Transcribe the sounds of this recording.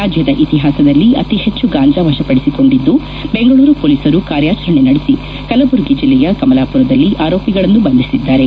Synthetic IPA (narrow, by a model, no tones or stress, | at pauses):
aːd͡ʒjɐd̪ɐʔit̪iɦaːsɐd̪ɐlːiʔɐt̪iɦe̞t͡ʃːuɡaːɲd͡ʒaːʋɐʃɐpɐɽesiko̞ɳɖid̪ːu | be̞ŋɡɐɭuːɾupoːlisɐɾukaːɾjaːt͡ʃɐɾɐɳenɐɽesi | kɐlɐbuɾɡid͡ʒilːɛjɐkɐmɐlaːpuɾɐd̪ɐlːiʔaːɾo̞ːpjiɡɐɭɐnːubɐnd̪isid̪ːaːɾe̞